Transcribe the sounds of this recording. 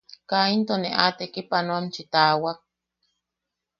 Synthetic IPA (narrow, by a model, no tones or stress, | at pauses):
kaint̪oneʔat̪ekipanoamt͡ʃit̪aːwak̚